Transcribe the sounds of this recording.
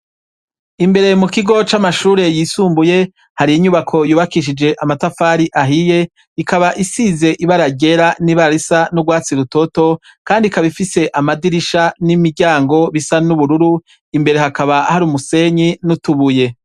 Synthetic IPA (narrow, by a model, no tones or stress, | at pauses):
imbe̞ɾe̞mukiɡo̞t͡ʃamaʃuːɾe̞jiːsuːmbuje̞ | haɾiːɲuβakʰo̞juːβakiʃ̬id͡ʒe̞ʔamatafaːɾiʔaɦije̞ | ikaβaʔisize̞ʔiβaɾaɟe̞ɾaniβaɾisanuɡwaːt͡siɾuto̞to̞ | kaːndikaβifise̞ʔamadiɾiʃanimiɾɟaːŋɡo̞βisanuβuɾuɾu | imbe̞ɾe̞hakaβahaɾumuse̞ɲinutuβuje̞